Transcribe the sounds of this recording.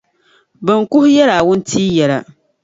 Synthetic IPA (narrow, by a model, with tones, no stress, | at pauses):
bɨ˨ŋ˨kʊ˦hʊ˦jɛ˦ɾaː˨wʊ˦n˦tʰiː˦jɛ˨ɾa˨